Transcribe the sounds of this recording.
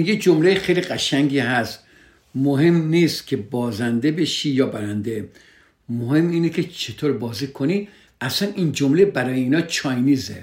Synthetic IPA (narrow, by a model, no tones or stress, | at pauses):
ijed͡ʒomlejexejliɢæʃæŋɡʲiːɦæst̪ | moɦe̞mniːst̪kʲʰe̞bɒːzænd̪e̞be̞ʃiːjɒːbæɾænd̪e̞ | mohemiːnekʰet͡ʃʰet̪ʰoɾbɒːzikʰoniː | æsænind͡ʒomlebæɾɒːjeiːnɒːt͡ʃʰɒjniːze